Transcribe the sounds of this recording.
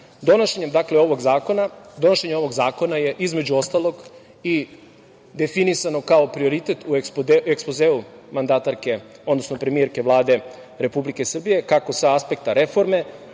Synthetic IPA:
d̪o̞noʃeɲe̞md̪akleo̞ʋo̞ɡzaːko̞nad̪o̞noʃeɲemo̞ʋo̞ɡzaːko̞naje̞ʔizme̞d͡ʑuo̞st̪alˠo̞ɡ | i | d̪e̞finisano̞kao̞pɾio̞ɾit̪e̞t̪ʰuekspoekspozeːumand̪at̪aɾke̞o̞d̪no̞snopɾemijeɾke̞ʋlˠaːd̪e̞ | ɾe̞publike̞sr̩bije̞kako̞saaspe̞k̚t̪aɾe̞fo̞ɾme̞

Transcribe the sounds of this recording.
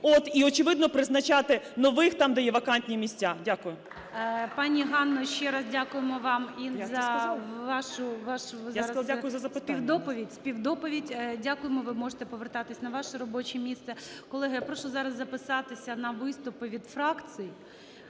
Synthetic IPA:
ot̪iɔt͡ʃɪʋɪd̪nɔpɾɪznɐt͡ʃat̪ɪnɔʋɪxt̪ɑmd̪ɐjɛʋɐkanʲtʲnʲimʲisʲtʲadʲakʊjʊ | pɑnʲiɦɑnːɔʃt͡ʃɛɾɐzdʲakʊjemɔʋɑmʲinzɐʋɑʃʊʋɑʃʊaɾɐdʲakʊjʊzɐzɐp̪sɪt̪piwd̪ɔpɔʋʲidʲspʲiwd̪ɔpɔʋʲidʲdʲakʊjemɔʋɪmɔʒet̪ɛpɔʋert̪ɑt̪ɪsʲnɐʋɑʃɛɾɔbɔt͡ʃɛmʲist̪sɛkɔlˠɛɦɐjapɾɔʃʊzɑɾɐzzɐpɪsɑt̪ɪsʲɐnɐʋɪst̪ʊpɪʋʲid̪fɾɑk̪t͡ssɨji

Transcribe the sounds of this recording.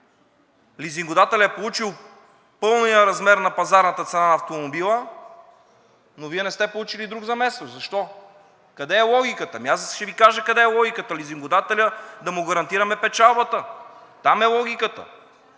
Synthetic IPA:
liziŋɡod̪at̪ɛlʲəɛpolˠut͡ʃilˠ | pɤlˠnijəɾɐzmɛɾnɐpɐzaɾnɐt̪ət̪sɛnanɐft̪omobilˠə | noviɛnɛst̪ɛpolˠut͡ʃilid̪ɾuɡzɐmɛst̪ozɐʃt̪ɔ | kɐd̪ɛːlˠɔɡʲikət̪əmiasʃɛvikaʒəkɐd̪ɛːlˠɔɡʲikət̪əliziŋɡod̪at̪ɛlʲəd̪ɐmʊɡɐɾɐnt̪iɾɐmɛpɛt͡ʃalˠbət̪ət̪amɛlˠɔɡʲikət̪ə̰

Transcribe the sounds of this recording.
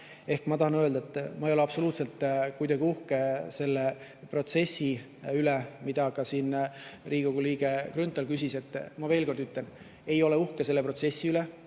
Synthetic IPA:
e̞hkmɑt̪ɑhɑnøld̪ɑet̪ːˑmɑejoleɑb̥so̞luːt̪se̞lt̪kujd̪̥ɑɡiuhke̞se̞lːe | pro̞t̪se̞sːi | ylemid̪̥ɑkɑsiːnriːikoɡ̥uliːɡe̞krynt̪ˑːɑlkys̬ʲise̞t̪ːˑmɑve̞ːlko̞rd̪yt̪le̞n | e̞jo̞leuhkese̞lːepro̞t̪se̞sʲːiyle

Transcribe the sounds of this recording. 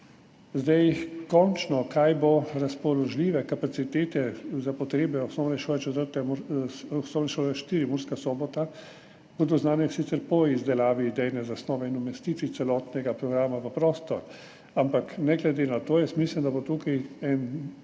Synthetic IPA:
zd̪ajkɔnt͡ʃnɔkʰajboɾaspɔlɔʒliʋɛkapat̪sit̪eːt̪ɛzapɔt̪ɾeːbɛɔsnɔwnɛʃoːlɛt͡ʃɛt̪əɾt̪ɛmusnɔːwnɛʃoːlɛʃt̪iːɾimuɾskasɔːbɔt̪a | kɔd̪boznaːnɛsit̪sɛɾpɔizd̪ɛlaːʋid̪ɛjnɛzasnɔːʋɛinumɛst̪iːt̪ʋit̪sɛlɔːt̪nɛɡapɾɔɡɾaːmaʋəpɾoːst̪ɔ̰ɾ | ampaknɛɡlɛd̪eːnat̪oːjɛst̪mislɛmd̪abot̪uːkajɛn

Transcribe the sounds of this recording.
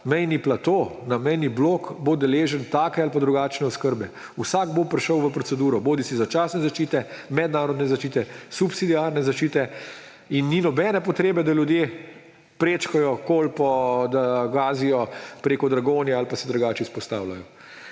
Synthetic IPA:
mɛjniplat̪oːnamɛjniblokbod̪ɛleːʒənt̪aːkɛalpad̪ɾuɡaːt͡ʃnɛɔskəɾbɛ | usaːɡbopɾɛʃəwʋəpɾɔsɛd̪uːɾɔboːd̪isizat͡ʃaːsnɛzaʃt͡ʃiːt̪ɛmɛd̪naːɾɔd̪nɛzaʃt͡ʃiːt̪ɛsupsid̪iaɾnɛzaʃt͡ʃiːt̪ɛ | inːinɔbɛːnɛpɔt̪ɾeːbɛd̪aljud̪je | pɾeːt͡ʃkajɔkolpɔd̪aɡaːzijɔpɾeːkɔd̪ɾaɡoːnjaalpasɛd̪ɾuɡaːt͡ʃispɔst̪aːwlajɔ

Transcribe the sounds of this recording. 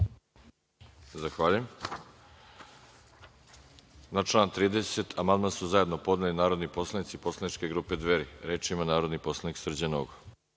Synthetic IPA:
zaxʋaːʎujem | nat͡ʃlˠaːnt̪ɾiːd̪eset̪ʰamand̪mansuzaje̞d̪no̞po̞d̪nelinaːɾod̪nipo̞slˠanit̪sipo̞slˠanit͡ʃkeɡɾuːpe̞d̪ʋeɾiɾeːt͡ʃimanaːɾod̪niposlˠaniksr̩d͡ʑano̰ɡo

